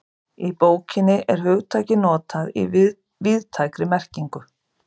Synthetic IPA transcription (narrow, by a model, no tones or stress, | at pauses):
ipoːwcʰɪnːɪʔɛɾ̥hʏɣt̪ʰaːjcɪnɔːt̪ʰaðḭ | vɪðt̪ʰaːjkɾɪmɛr̥ciŋkʏ